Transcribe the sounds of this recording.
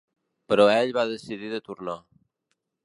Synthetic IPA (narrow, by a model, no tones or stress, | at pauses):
pəɾɔɛʎβaðəsiðiðət̪uɾna